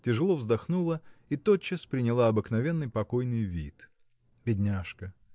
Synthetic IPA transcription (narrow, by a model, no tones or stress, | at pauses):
tʲɪʐɨlˠovzd̪ɐxnulˠəit̪ot͡ɕːəspɾʲɪnʲɪlˠaɐbɨknɐvʲe̞nːɨjpɐkojnɨjvʲḭt̪ | bʲɪdʲnʲaʂkə